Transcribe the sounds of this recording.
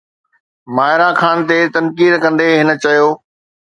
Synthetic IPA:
maːɦɪɾakʰaːnt̪et̪ɐnkiːd̪kɐ̃nd̪eɦɪnə̆t͡ɕɐjoː

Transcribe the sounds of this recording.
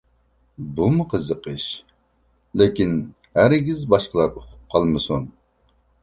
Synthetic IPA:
bumɨqʰəzəqəʃ | lɪkʲin | hæɾɡʲizbɑʃqəlˠɑɾoqʰʊ̥p̚qʰɑlˠmɨsun

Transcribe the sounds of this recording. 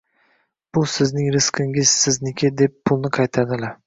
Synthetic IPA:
b̥ʊsɪznɪŋɾɪskɪŋʲɪz̥sɪznɪkʲʰɪd̪epʰːʊlˠnɪqʰɑjt̪ʰad̪ɪla

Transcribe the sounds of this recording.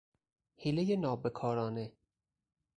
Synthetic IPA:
hilejenɒːbekʰɒːɾɒːne

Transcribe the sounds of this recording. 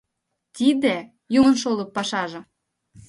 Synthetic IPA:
t̪id̪ĕ | jumə̆nʃolɤ̆pːɑʃɑʒɤ̆

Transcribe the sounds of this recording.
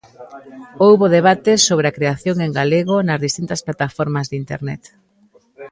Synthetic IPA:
owβoðeβat̪esoβ̞ɾeakɾeaθjoŋeŋɡaleɣonɐzðist̪int̪ɐsplat̪afɔɾmɐzðint̪ḛɾnɛ̰t̪

